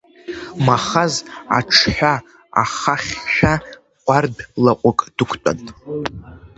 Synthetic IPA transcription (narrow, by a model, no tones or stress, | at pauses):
maχaza̰ʈ͡ʂʰħʷᶣa | a̰χaχʲʃᶣa | qʷʼardlaqʷʼʊkʼd̥ɨkʷʰtʷʼa̰ntʼ